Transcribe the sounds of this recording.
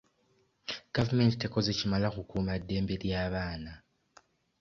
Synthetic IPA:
ɡ̥avume̞nti̥te̞ko̞zecimalakukuːmadːe̞ːmbe̞ɾjaːβaːna

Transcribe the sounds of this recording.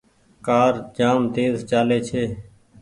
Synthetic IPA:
kaːɾd͡ʒaːmt̪eːzt͡ʃaːleːt͡ʃʰeː

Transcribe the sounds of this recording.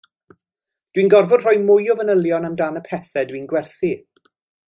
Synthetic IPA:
d̥winɡɔrvʊd̥r̥ɔːjmʊjɔvənəljɔnamdanəpʰɛθɛdwiːnɡwɛrθi

